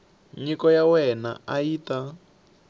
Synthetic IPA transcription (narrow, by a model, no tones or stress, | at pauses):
ɲikɔjawɛna̰aiːta